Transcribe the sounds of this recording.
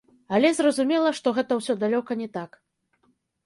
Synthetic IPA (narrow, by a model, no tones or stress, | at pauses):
ɐlʲɛzrɐzumʲɛlˠɐʂt̪ɔɣɛt̪ɐwsʲɔd̪alʲɔkɐnʲɛt̪ak